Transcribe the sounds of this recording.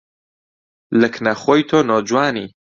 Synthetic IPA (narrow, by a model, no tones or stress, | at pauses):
lɨknɐχoːjt̪ʰoːnoːd͡ʒwaːnḭː